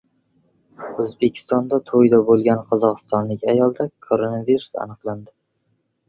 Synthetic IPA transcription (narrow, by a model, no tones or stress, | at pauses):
ɵzbe̞kʲʰɪ̥st̪ɒnd̪at̪ʰojd̪abolˠɡʲanqʰɒzɒqɨ̥st̪ɒnlɪkʲajɒlˠd̪akʰoɾonaviɾusa̰nɨqlˠand̪ɪ